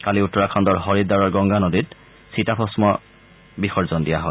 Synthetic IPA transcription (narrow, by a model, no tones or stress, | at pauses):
kaliutːɔɹakʰɔndɔɹɦɔɹidaɹɔɹɡɔŋɡanɔdit | sitapʰɔsmɔ | bixɔɹzɔndijaɦɔj